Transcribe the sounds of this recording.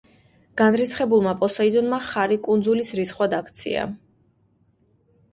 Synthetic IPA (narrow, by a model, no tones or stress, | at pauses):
ɡ̥anɾit̪sχɛbulˠmapʼɔsaid̪ɔnmaχaɾikʼund̪zulisɾisχwad̪akʰt̪sʰḭa̰